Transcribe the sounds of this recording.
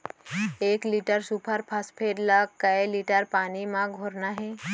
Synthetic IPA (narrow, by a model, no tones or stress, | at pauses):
eːkliːʈəɾsuːpʰəɾpʰɐspʰeːɖlakɐeliːʈəɾpaːnimãɡʱoːɾnaɦɛː